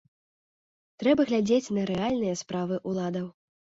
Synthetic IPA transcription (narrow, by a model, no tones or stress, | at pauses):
t̪ɾɛbɐɣlʲad͡zʲet͡sʲnɐɾɛalʲnɨjɐspɾavɨʔulˠad̪ɐw